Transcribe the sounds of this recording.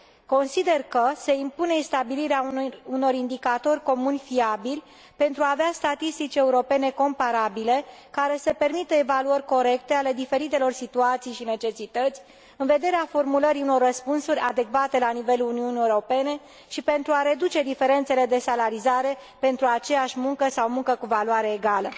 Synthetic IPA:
ko̞nsid̪e̞rkəse̞impune̞ist̪abiliɾeauuno̞ɾind̪ikat̪o̞rʲko̞munʲfiabilʲ | pe̞nt̪ɾuaːveast̪at̪ist̪it͡ʃʲe̞uɾopene̞ko̞mpaɾabile̞kaɾe̞səpermit̪əevaluərʲko̞ɾe̞kt̪e̞ale̞d̪ife̞ɾit̪e̞lo̞rsit̪uat̪sijʃine̞t͡ʃe̞sit̪ət̪sʲ | ɨnve̞d̪e̞ɾeafo̞rmuləɾiuno̞rːəspunsuɾʲad̪e̞kvat̪e̞lanive̞luniuniewuɾo̞pe̞ne̞ | ʃipe̞nt̪ɾuaɾe̞d̪ut͡ʃe̞d̪ife̞ɾe̞nt̪se̞le̞d̪e̞salaɾizaɾe̞ | pe̞nt̪ɾuat͡ʃe̞jaʃʲmuŋkəsawmuŋkəkuvalwaɾe̞ːɡalə

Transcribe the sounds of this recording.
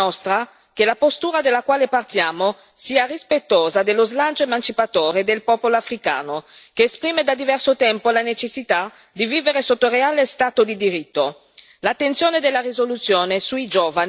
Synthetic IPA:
ɔst̪ɾa | kelapost̪uːɾad̪elːakwaːlepart̪jaːmo | siːarispet̪ːoːzad̪elːozlant͡ʃoemant͡ʃipat̪oːɾed̪elpɔːpoloafɾika̰ːnokeːspɾiːmed̪ad̪ivɛrsot̪ɛmpolanet͡ʃesːit̪a | d̪iviːveɾesot̪ːoreaːlest̪aːt̪od̪id̪iɾit̪ːo | lat̪ːent̪sjoːned̪elːarizolut̪sːjoːnesuid͡ʒɔːvan

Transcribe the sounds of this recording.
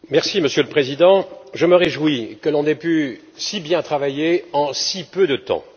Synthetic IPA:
mɛʁsiməsjøləpχezid̪ɑ̃ʒəməʁeʒwikəlɔ̃nɛpy | sibjɛ̃t̪χavajeɑ̃sipød̪ət̪ɑ̰̃

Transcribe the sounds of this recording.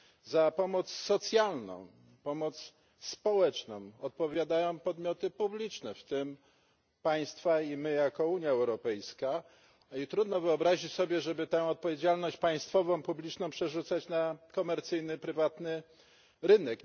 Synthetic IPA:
zapɔmɔt̪ssɔt̪sʲjalnɔ̰̃w̃ | pɔmɔt̪s | spɔwɛt͡ʂnɔ̰̃w̃ɔt̪̚pɔvʲjad̪ajɔ̃w̃pɔd̪mʲjɔt̪ɘpublʲit͡ʂnɛft̪ɘm | paj̃st̪faimɘjakɔuɲjaɛwɾɔpɛjska | it̪ɾud̪nɔvɘɔbɾaʑit͡ɕsɔbʲjɛʐɛbɘt̪ɛ̃ɔt̪̚pɔvʲjed͡ʑalnɔɕt͡ɕpaj̃st̪fɔvɔ̃w̃publʲit͡ʂnɔ̃w̃pʂɛʐut̪sat͡ɕnakɔmɛɾt̪sɘjnɘpɾɘvat̪nɘ | ɾɘnɛk

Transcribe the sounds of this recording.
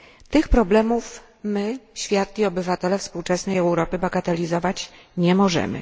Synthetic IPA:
t̪ɘxpɾɔblɛmuf | mɘɕfʲjat̪lʲiɔbɘvat̪ɛlɛfspuwt͡ʂɛsnɛjɛwɾɔpɘbaɡat̪ɛlʲizɔvat͡ɕ | ɲɛmɔʐɛ̰mɘ̰

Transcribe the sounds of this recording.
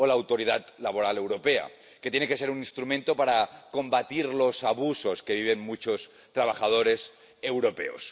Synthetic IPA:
olaːwt̪o̞ɾiðat̪laβ̞oɾale̞wɾo̞pea̰ | ket̪jeneke̞seɾunĩnst̪ɾumẽnt̪opaɾako̞mbat̪iɾlo̞saβuso̞ske̞β̞iβenmut͡ʃo̞s | t̪ɾaβ̞axað̞o̞ɾe̞s | e̞wɾo̞pe̞̰o̰s

